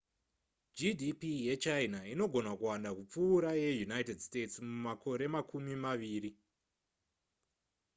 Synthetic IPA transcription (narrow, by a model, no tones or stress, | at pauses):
d͡ʒidʱipije̞t͡ʃainaino̞ɡʱo̞nakuwandakup͡fuːɾaje̞junajtedste̞tsmumakʰo̞ɾe̞makʰumimaʋiːɾi